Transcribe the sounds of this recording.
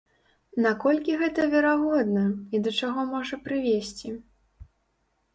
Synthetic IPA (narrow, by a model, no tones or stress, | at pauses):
nakɔlʲkʲiɣɛt̪ɐvʲɛɾaɣɔd̪nɐid̪ɐt͡ʂaɣɔmɔʐɐpɾɨvʲesʲt͡sʲi